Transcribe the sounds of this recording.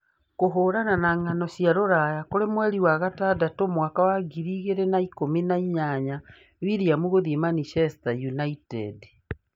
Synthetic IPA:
koɦoːɾananaŋanɔɕjaɾoɾajakoɾemwɛɾiwaɣatadatomwakawaɡiɾiɣeɾenaikominaiɲaɲa | βiɾiamuɣoðiemanifɛstajunaitɛd

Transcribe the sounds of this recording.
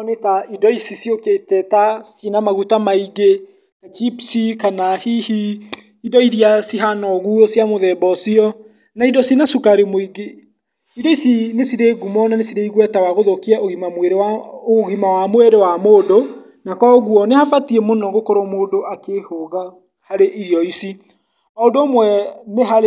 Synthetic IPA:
netaidɔisisioketɛtasinamaɣutamaiɡe | kat͡ʃipsikanahihi | idɔiɾiasiɦanɔɣuosjamoðɛbɔsiɔ | naidɔsinasukaɾemoiɡe | idɔisinesiɾeɣumɔnanesiɾeiɣwɛtawaɣoðokiaoɣimamweɾaɣimawamweɾewamoːdo | nakɔɣuɔnehafatiemonɔɡokoɾomoːdoʔakehoɣa | haɾeʔijɔisi | ɔondoːmwɛmeɦaɾ

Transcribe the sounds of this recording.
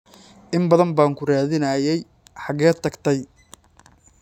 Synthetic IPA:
ʔɪmbɐðɐmbaːŋkʰʊraːðɪnɐjɛj | ħɑɣɛːt̪ʰɐɡt̪ʰɛj

